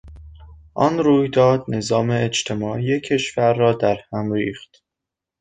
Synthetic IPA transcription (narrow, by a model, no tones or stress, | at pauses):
ʔɒ̰nɾuːjd̪ɒːd̪ne̞zɒːme̞ːt͡ʃt̪ʰe̞mɒːʔiːecʰːe̞ʃvæɾːɒːd̪æɾhæmɾiːxt̪